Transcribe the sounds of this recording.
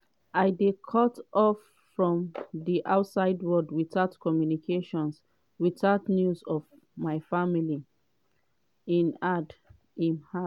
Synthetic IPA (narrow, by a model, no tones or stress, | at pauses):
aɪdekʰɔtɔfː | ɹɔ̃mðiʔaʊtsaɪdwɔdwitatkʰɔmjunikʰeʃɔ̃ns | witatnjuzɔv | maɪfamili | ĩnad | ĩnha